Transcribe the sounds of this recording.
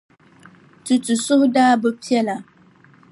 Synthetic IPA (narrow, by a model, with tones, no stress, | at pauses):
tu˨tu˨sʊ˦hʊ˦daː˦bɨ˦pi˦ɛ˦la˨